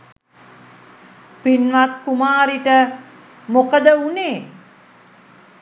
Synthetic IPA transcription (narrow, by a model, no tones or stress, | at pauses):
pinʋat̪kumaːɾiʈə | mokəd̪əuneː